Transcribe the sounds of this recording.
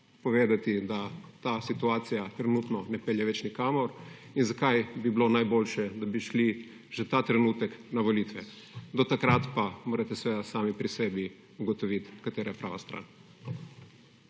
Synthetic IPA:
pɔʋeːd̪at̪id̪at̪aːsit̪uaːt̪sijat̪ɾɛnut̪nɔnɛpɛljɛʋɛt͡ʃnikaːmɔɾ | inzakajbiblonajboːlʃɛd̪abiʃli | ʒ̥ɛt̪aːt̪ɾɛnuːt̪ɛknaʋɔliːt̪ʋɛ | d̪ɔt̪akɾat̪pamoːɾat̪ɛsʋeːd̪asaːmipɾisɛːbi | uɡɔt̪ɔʋit̪kat̪eːɾapɾaːʋast̪ɾa̰ːn

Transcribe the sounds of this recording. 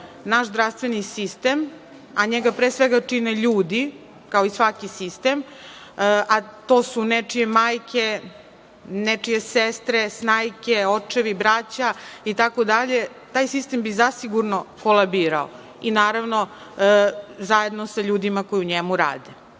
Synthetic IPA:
naʃzd̪ɾaʋst̪ʋenisist̪em | aɲeɡapɾeːsʋeɡat͡ʂineʎuːd̪i | kaoisʋakisist̪em | ʔat̪oːsunet͡ʂije̞maːjkʰʲe̞ | net͡ʂijesest̪ɾesnaːjkeot͡ʂeʋibɾat͡ɕait̪ako̞d̪aʎe | t̪aːjsist̪embizasiɡuɾnokolˠabiːɾa̰o̰ | inaːɾaʋno | zaje̞d̪nosaʎuːd̪imakojiuɲemuɾa̰ːd̪e

